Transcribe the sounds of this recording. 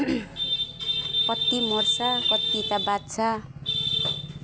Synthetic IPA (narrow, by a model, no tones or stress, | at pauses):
kʌt̪ːimorsakʌt̪ːit̪abat̪t͡sʰa